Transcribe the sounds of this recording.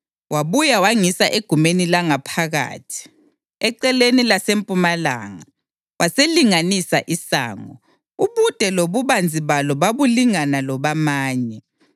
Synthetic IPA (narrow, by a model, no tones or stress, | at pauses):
waβujawaŋisaʔeɡ̥ʱumenilaŋapʰaɣa̰ːtʰi̥ | ɛǀɛlenilasempʼumala̰ːŋa | wʔaseliŋanisaʔisa̰ːŋɔ̰ | uβud̥ʱɛloβuβand͡zʱiβalɔβaβuliŋanalɔβamaːɲɛ